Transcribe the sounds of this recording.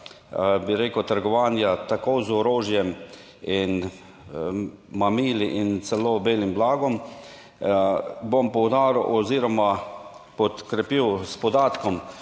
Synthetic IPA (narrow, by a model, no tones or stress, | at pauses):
biɾeːkəwt̪əɾɡɔʋaːnjat̪akoːzɔɾoːʒjɛm | in | mamiːliʔint̪sɛloːbeːlimblaːɡɔm | bompɔwd̪aːɾwʔɔziːɾɔmapɔt̪kɾɛpiːwspɔd̪aːt̪kɔm